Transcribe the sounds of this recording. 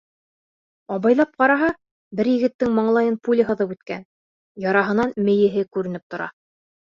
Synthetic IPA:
ɑβɑjlˠɑp̚qɑɾɑɦɑ | bɘɾjɘ̆ɡɘ̆t̪ːɘŋmɑɴlˠɑjɤnpulʲɘɦɤ̆ðɤpʉt̪kæ̰n | jɑɾɑɦɤ̆nɑnmɘ̆jɘ̆ɦɘkʉɾɘ̆nɘp̚t̪ŏɾɑ̰

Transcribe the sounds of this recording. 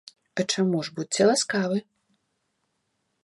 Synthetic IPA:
ɐt͡ʂamuʐbut͡sʲt͡sʲɛlˠaskavɨ

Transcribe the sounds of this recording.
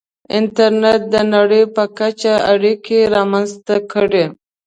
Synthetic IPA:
ɪnt̪aɾnet̪̚d̪ənaɽəjpəkat͡ʃaaɽikeɾɑmanzt̪akəɽe

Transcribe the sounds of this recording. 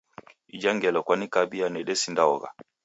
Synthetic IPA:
id͡ʒaŋɡɛlɔkwanikabianɛɗɛsindaɔ̰ɣa̰

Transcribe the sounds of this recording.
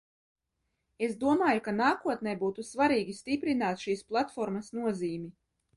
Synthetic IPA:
esd̪uɔmaːjukanaːkuɔt̪̚nɛjbuːt̪usvaɾiːɡʲist̪ipɾinaːt̪ʃiːsplˠat̪fɔɾmɐsnuɔziːmi

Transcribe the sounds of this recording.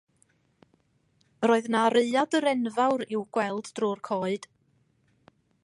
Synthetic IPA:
roːɨðnaɾeɨadəɾɛnvawɾɪwɡ̥wɛlˠdd̥rʊːrkʰoːɨd̥

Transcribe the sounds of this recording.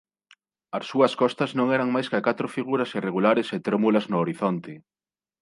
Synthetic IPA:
ɐsːuɐskɔst̪ɐznõŋɛɾɐŋmajskakat̪ɾofiɣ̞uɾɐsireɣ̞ulaɾɪset̪ɾomulɐznoːɾiθont̪ɪ

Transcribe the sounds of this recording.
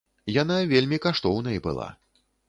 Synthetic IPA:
jan̪avʲelʲmʲikaʂt̪ɔwnɐjibɨ̰lˠa̰

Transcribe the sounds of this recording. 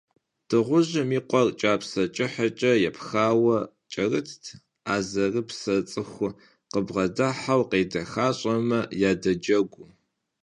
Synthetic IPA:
tʰɨʁʷʊʑɐmiːqʷʼɔrt͡ʃʼaːpsɐt͡ʃʼɪħɐt͡ʃʼɐjɛpxaːwɐ | t͡ʃʼɐrɨtʰtʰ | aːzɐrɨpsɐt͡sʼɨxʷʊ | qəbʁɐdɐħawqeːdɐxaːɕʼɐmɐjaːdɐd͡ʒɐɡʷʊ

